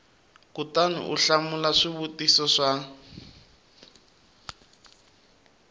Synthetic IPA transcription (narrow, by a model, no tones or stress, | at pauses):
kutanṵʔuɬamulaʂiβutisɔʂa